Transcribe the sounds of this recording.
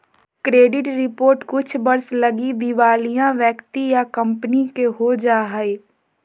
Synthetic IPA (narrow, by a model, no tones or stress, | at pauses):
kɾeːɖɪʈɾɪpoːɾʈkʊt͡ʃʰbɐɾslɐɡid̪iʋaːlijãʋjəkt̪ijakɐ̃mpənikeɦod͡ʒaːɦəeː